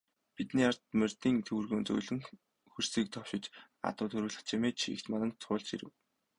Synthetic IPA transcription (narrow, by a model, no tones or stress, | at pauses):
pit̪niːart̪mært̪iːŋt̪ʰɵwrɣoːnt͡sɵ̰jɮɘ̆ŋ | xɵr̥siːk̚t̪ʰɔwʃɪ̆t͡ɕ | a̰t̪ʊːt̪ʰɵɾɘ̆ːɣɮə̆χt͡ɕʰimeːt͡ɕʰḭkt̪manə̆nt͡sʰʊːɮt͡ɕḭɾɘ̰̆w